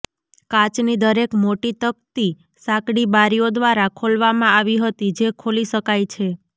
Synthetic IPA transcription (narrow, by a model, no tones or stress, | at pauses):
kãt͡ʃnid̪əɾekmoʈit̪ək̚t̪i | sãkɽibaɾijod̪ʋaɾakʰolʋamãaʋiɦət̪id͡ʒekʰoliʃəkajt͡ʃʰe